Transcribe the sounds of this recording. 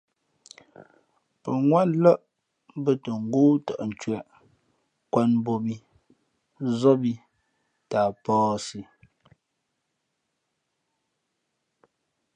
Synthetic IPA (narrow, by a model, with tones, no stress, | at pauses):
pə˨ŋwa˦˨nlɔ˦ʔ | bə˨tə˨ŋ̩˨˦ɡoː˦tɔ̰˨ʔn̩˨t͡ʃwɛ˨ʔ | kwa˦nmbo˨bi˦ | zɔ˦bi˨ | taː˨pɔː˦si˨